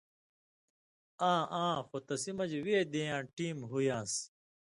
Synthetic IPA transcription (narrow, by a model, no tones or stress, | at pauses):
ãːʔãːxot̪ɐsimɐd͡ʑweːd̪eːjãːʈiːmɦujãːs